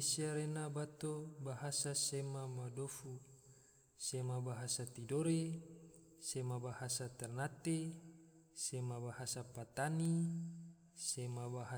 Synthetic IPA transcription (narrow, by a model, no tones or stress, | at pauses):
siaɾenabat̪obaɦasasemamadofu | semabaɦasat̪idoɾe | semabahasat̪ɛrnat̪e | semabahasapat̪ani | semabaɦa